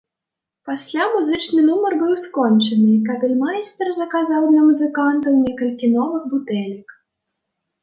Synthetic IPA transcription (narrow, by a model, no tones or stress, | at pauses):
pasʲlʲamuzɨt͡ʂnɨnumɐrbɨwskɔnt͡ʂɐnɨkabʲɛlʲmajst̪ɛrzɐkazawd̪lʲɐmuzɨkant̪ɐwnʲɛkɐlʲkʲinɔvɨɣbut̪ɛlʲik